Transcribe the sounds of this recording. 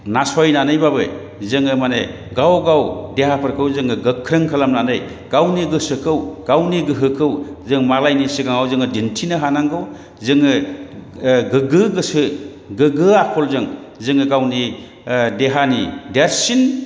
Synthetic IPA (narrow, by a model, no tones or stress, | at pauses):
nasɔjnanɯjbabɯ̰ | zɯŋɯmane | ɡawɡawdeɦapʰɯɾkʰɯwzɯŋɯɡɯkʰːɾɯŋkʰalamnanɯj | ɡ̥awniɡɯsɯkʰɯwɡ̥awniɡɯɦɯkʰɯwzɯŋmalajnisiɡaŋawzɯŋɯdintʰinɯɦanaŋɡɯw | zɯŋɯ | ɡɯɡɯɡɯsɯ | ɡɯɡɯakʰɔlzɯŋ | zɯŋɯɡawni | deɦanideɾsin